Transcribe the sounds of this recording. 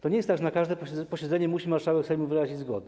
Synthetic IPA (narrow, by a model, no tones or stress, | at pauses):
t̪ɔɲɛjɛst̪aɡʐɛnakaʐd̪ɛpɔɛpɔɕɛd̪zɛɲɛmuɕimaɾʂawɛksɛjmuvɘɾaʑid͡ʑzɡɔ̰d̪ɛ